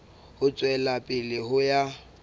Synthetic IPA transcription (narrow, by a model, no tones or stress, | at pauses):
hʊt͡sʼwɛlapʼɪlɪhʊja